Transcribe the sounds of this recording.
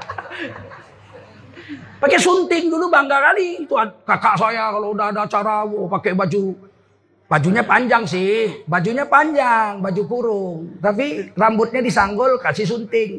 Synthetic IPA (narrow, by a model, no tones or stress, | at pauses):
pakɛsunt̪ɪŋdulubaŋɡakalint̪uat̪̚kakaʔsajakaloudadat͡ʃaɾawɔpakɛbad͡ʒu | bad͡ʒuɲapaɲd͡ʒaŋsɪhbad͡ʒuɲapaɲd͡ʒaŋbad͡ʒukuɾʊŋt̪ap̬irambʊt̪̚ɲadisaŋɡɔlkasɪs̬unt̪ɪŋ